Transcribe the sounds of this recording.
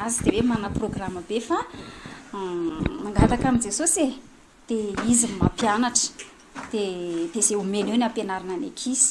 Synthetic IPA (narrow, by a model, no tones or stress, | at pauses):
azid̪ewemanəproɡraməbefa | naŋɡat̪akamind͡zesose | d̪̥eizimma̰pjanaʈ͡ʂə̥ | d̪̥ed̪̥ezeumenewnapenaɾananḛkʰizi̥